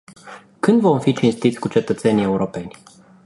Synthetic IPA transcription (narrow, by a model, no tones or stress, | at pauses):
kɨnd̪vɔ̃w̃fʲit͡ʃĩnst̪it̪sʲkut͡ʃɛt̪ət̪sɛnʲiɛwɾopɛnʲ